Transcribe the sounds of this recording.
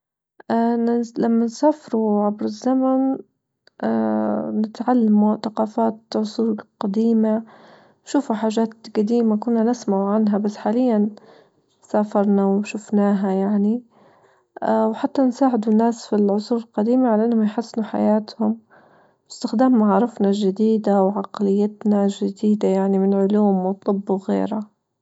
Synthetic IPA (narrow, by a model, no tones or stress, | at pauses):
ʔanlamːansaːfɪɾuʕabɾɪzːaman | ʔanɪt̪ʕalːamuθaqɑːfaːt̪ʕʊsˤuːlqad̪iːma | ʃuːfuħaːʒaːt̪ɡad̪iːmakʊnːanɪsmaʕuʕanɦabasːħaːlɪjːan | saːfɑɾˤnawʃʊfnaːɦajaʕni | wħat̪ːansaːʕɪd̪ʊnːaːsfilʕʊsˤuːɾɪlqɑd̪iːmaʕalaʔanːhʊmjħasːnuħa̰jaːt̪hʊm | wɪst̪ɪxd̪aːmːaʕːɾˤɑfnaʒɪd̪iːd̪awʕaqlɪjːat̪naʒɪd̪iːd̪ajaʕnimɪnʕʊluːmwt̪ˤɨbːuwɣḛːɾa